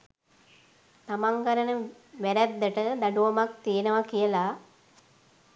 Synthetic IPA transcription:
t̪amaŋɡaɾənə | ʋæɾæd̪ːəʈəd̪aɖuʋɐmak̚t̪ijenəʋakijəla

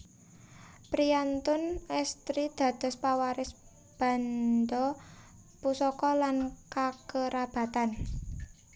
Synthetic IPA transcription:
pɾiant̪ʊnɛst̪ɾid̪̥ä̤d̪̥ɔ̤spawaɾɪs | b̥a̤nd̪ɔ | pusɔkɔlankakəɾab̥ä̤t̪an

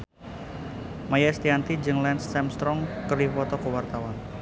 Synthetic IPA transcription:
majast̪iant̪id͡ʒɨŋlɛnsːɛmst̪ɾɔŋkəɾifɔt̪ɔkəwart̪awan

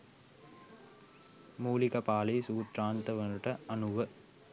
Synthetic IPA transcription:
muːlikɐpaːlisuːt̪ɾaːnt̪ɐʋɐnuʈɐɐnuʋə

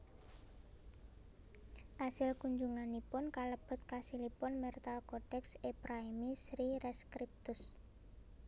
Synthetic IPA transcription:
ʔasɪlkuɲd͡ʒuŋanipʊnkaləb̥ʊ̤t̪̚kasilipʊnmɛrt̪alkoɖ̥ɛksepɾaimisɾiɾɛskɾip̚t̪ʊs

